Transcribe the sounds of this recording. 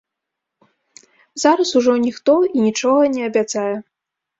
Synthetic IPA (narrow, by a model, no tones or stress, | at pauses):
zaɾɐsuʐɔnʲixt̪ɔinʲit͡ʂɔɣɐnʲɛɐbʲat̪sajɛ